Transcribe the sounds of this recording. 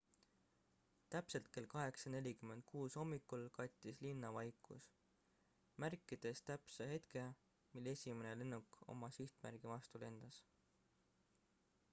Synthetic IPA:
t̪æpse̞lt̪̚ke̞lkɑɦe̞ksɑne̞lʲikymːe̞nd̪̚kʰuːso̞mːikːˑulkɑt̪ʲːˑislinːɑvɑjkˑṵs | mærkːˑid̪̥e̞st̪æpsehe̞t̪ke̞ | milːe̞sʲime̞nelenːukˑo̞̰mɑsiht̪mæ̰ɾɡ̥ivɑst̪ule̞nd̪̥ɑs

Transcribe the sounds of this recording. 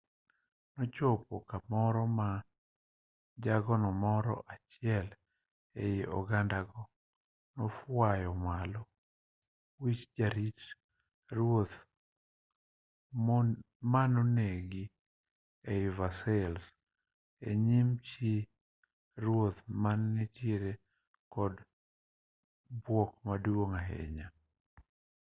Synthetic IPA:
nɔt͡ʃɔpɔkamɔɾɔma | d͡ʒaɡɔnɔmɔɾɔ̰ʔat͡ʃɪɛl | ejiʔɔ̰ɡandaɡɔ | nɔfwajɔmalɔ | wit͡ʃd͡ʒaɾit | rot̪ | manɔneɡi | eɪvasɛls | eɲimt͡ʃi | ɾwot̪manːit͡ʃiɾe | kɔd | bwɔkmaduoŋaɦḛɲa

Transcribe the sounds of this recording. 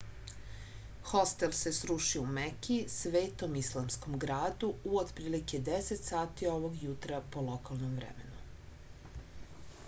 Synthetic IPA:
xost̪else̞sɾuʃiumekʲisʋe̞ːt̪o̞mislˠamsko̞mɡɾaːd̪uuod̪pɾiːliked̪eset̪saːt̪io̞ʋo̞ɡjut̪ɾapo̞lo̞kalˠnomvɾḛmḛnu

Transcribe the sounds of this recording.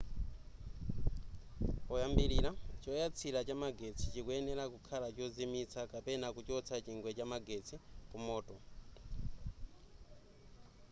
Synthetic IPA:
ɔjambiɾiɾat͡ʃɔjat͡sʰiɾat͡ʃamaɡet͡sʰit͡ʃikuɛnɛɾakukʰalat͡ʃɔzimit͡sʰakapɛnakut͡ʃɔt͡sʰat͡ʃiŋɡwɛt͡ʃamaɡet͡sʰikumɔːtʼɔ

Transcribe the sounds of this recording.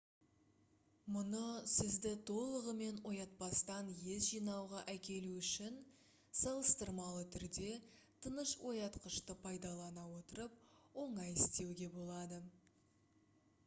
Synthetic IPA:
mʊnəsɪzd̪ɪt̪ʰo̞lˠəʁəme̞nwo̞jɑt̪̚pɑst̪ɑnje̞zʒijnɑwʁɑʔækʲe̞luʏʃɪn | sɑlˠəst̪əɾmɑlˠət̪ʰʏɾd̪e̞t̪ʰənəʃwʔo̞jɑt̪qəʃt̪əpʰɑjd̪ɑlˠɑnɑwo̞t̪əɾəp̚wo̞ɴɑjɪst̪e̞wɡʲe̞bo̞lˠɑd̪ə

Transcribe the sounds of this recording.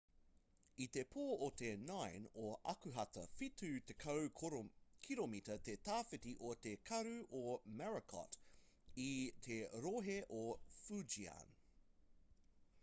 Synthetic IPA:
it̪epʰoːot̪enɐjnoʔɐ̰kʉɦɐt̪ɐfitʰʉt̪ekʰɐw | kʰiɾomit̪ɐt̪et̪aːfit̪iʔot̪ekʰɐɾʉʔomɛɹɐkʰɔ̰t | it̪ʰeɾoɦeʔofʉd͡ʒia̰n

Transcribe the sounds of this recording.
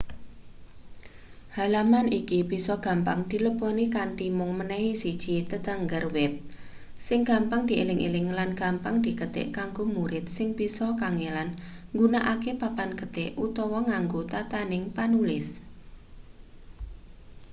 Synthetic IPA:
halamanikib̥i̤sɔɡ̥a̤mpaŋd̪̥i̤ləbɔnikaɳʈimʊŋmənɛɦisid̥ʒ̥it̪əd̪aŋɡarwɛp̚ | sɪŋɡ̥ampaŋd̪iʔḛlɪŋʔḛlɪŋlanɡ̥ampaŋd̪̥i̤kəd̪̥ɪ̰ʔkaŋɡomuɾɪt̪̚sɪŋb̥isɔkaŋelanŋɡunaʔakepapankəd̪ɪʔʔut̪ɔwɔŋaŋɡot̪at̪anɪŋpanulɪs

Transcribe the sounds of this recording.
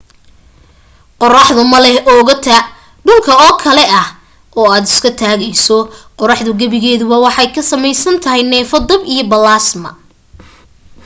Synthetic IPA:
qɔrɑħðʊmɐlɛhɔːʊɣɐt̪ʰaː | ɖʊlkʰɐɔːkʰɐlɛɐh | ʔɔːaːd̪ɪskʰɐt̪ʰaːɣɛjsɔqɔɾɑħðʊɡɐβɪɣɛːðʊβɐwɑħɑjkʰɐsɐmɛjsɐnt̪ʰɐɦɛjnɛːfɐd̪ɐbijɔbɐlaːsmɐ̰

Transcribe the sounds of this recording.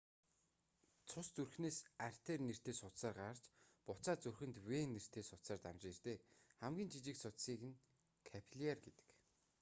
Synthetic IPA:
t͡sʰʊst͡surxneːsar̥ʲt̪eːrner̥t̪eːsʊt̪saːrɢar̥t͡ɕpʊt͡saːt͡sɵrxɘ̆nt̪weːnːer̥t̪eːsʊt̪saːrt̪amt͡ɕeːrt̪eːχæmɡʲiːnt͡ɕʰit͡ɕĭksʊt̪siːkɘ̆ŋ | kʰæpʰɮiarɡet̪ɘ̥̆k

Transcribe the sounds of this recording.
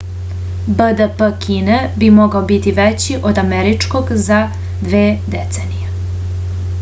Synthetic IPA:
bəd̪əpəkʰinebimoɡaobit̪iʋet͡ɕiʔod̪ameɾit͡ʂkoɡza | d̪ʋeːd̪et̪senije

